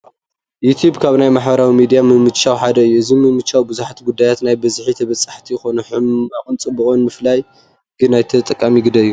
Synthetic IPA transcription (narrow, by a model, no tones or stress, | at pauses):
jut̪ʰjubkʰaβnajmaħbɐɾawimid̪ijamɨmɨt͡ʃːawħad̪ɐɨjːuɨzimɨmɨt͡ʃːawibɨzuħat̪iɡud̪ːajat̪najbɐzħit̪ʰɐβɐt͡sʼːaħt̪ʰijxonuħɨmakʼɨnt͡sʼɨbɨxonmɨflaj | ɡ̥ɨnːajt̪ʰɐt̪ʼɐkʼːamiɡɨd̪ɐɨjːu